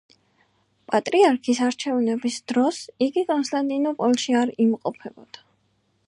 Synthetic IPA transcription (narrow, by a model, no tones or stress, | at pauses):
pʼat̪ʼɾiaɾkʰisaɾt͡ʃʰɛvnɛbisd̪̥ɾɔsiɡikʼɔnst̪ʼant̪ʼinɔpʼɔlˠʃiaɾimqʼɔpʰɛbɔd̪̥a